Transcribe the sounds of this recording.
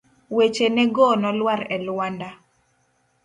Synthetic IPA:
wet͡ʃenɛɡɔnɔlwaɾɛlwanda

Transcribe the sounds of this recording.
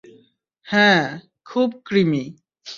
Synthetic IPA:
hɛ̃ | kʰuːb̚kɾimi

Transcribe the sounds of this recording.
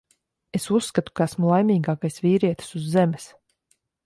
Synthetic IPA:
esusːkat̪u̥kaasmulˠajmʲiːɡaːkajsviːɾiɛt̪i̥suzːemes

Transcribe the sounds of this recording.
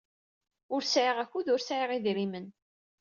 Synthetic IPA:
ʊɾsʕiʁæçuðʊɾsʕiʁiðɾimən

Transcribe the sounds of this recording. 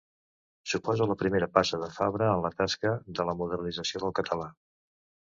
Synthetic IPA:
supɔzuləpɾimeɾəpasəðəfa̰βɾəːnlət̪askəðələmuðərnid͡zəsioðəlˠkət̪ʰəla

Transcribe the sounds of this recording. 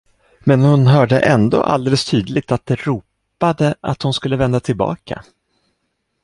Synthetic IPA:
mɛnhʊnɦœːɖəʔɛnd̪o̰ːʔa̰ld̪eːləst̪ʰyːd̪lɪɡ̚t̪at̪̚d̪ɛɾuːp | ad̪əʔat̪hʊnskɵlːəvɛnd̪at̪ʰɪlbɑ̰ːkʰa̰

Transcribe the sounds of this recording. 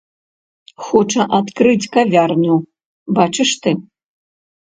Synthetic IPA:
xɔt͡ʂɐʔat̪kɾɨt͡sʲkavʲarnu | bat͡ʂɨʂt̪ɨ

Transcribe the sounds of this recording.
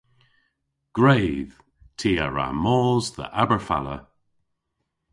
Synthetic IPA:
ɡ̥ɹeːð̥ | tʰiːaɹa̰mɔːzðə̰ʔabəɹfa̰lə̰

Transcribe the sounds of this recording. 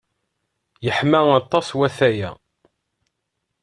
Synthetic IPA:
jəħmæɑt̪ˤːɑswæθæjæ̰

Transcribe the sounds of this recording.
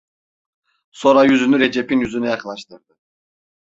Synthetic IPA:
so̞ɾajyzynyɾed͡ʒepinjyzynɛjɑkɯnˠaʃt̪ʰɯɾd̪ɯ

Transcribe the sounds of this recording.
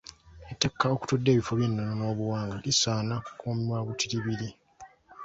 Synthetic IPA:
etːakːao̞ku̥tudːe̞ːβifoβinːonono̞ːβuwaːŋɡalisaːnaukʰoːmiwaβutiɾiβiɾi

